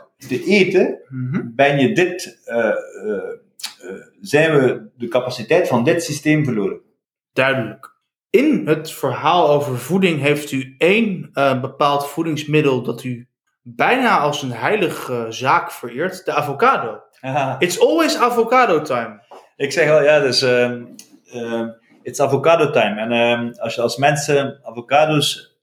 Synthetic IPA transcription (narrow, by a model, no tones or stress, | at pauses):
dəʔeːtəɦbɛnjədɪt | zɛjnʋədəkapasitɛjtfɑndɪtsisteːmvərloːɾə | d̥œɥdələk | ɪnɦətfəɹɦaːlˠowvəɹvudɪŋɦejftyejnəbəpaːlˠtfudɪŋsmɪdəlˠdɑty | bɛjnaːɑlˠsənɦɛjləχəzaːkfəɹɪːɹtd̥əaːvokaːdow | ɪtsɔlˠwejsavokaːdotajm | ɪksɛχʋɛlˠjaːds | ɪtɪ̥savokaːdotajmɛnɑsjəɑlˠsmɛnsəavokaːdos